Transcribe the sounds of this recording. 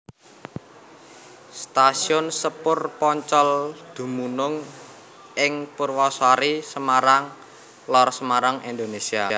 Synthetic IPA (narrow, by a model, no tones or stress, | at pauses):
st̪asiɔnsəpʊrpɔɲt͡ʃɔld̪̥ṳmunʊŋ | ɪŋpurwɔswaɾisəmaɾaŋ | lɔrsəmaɾaŋind̪onesiaa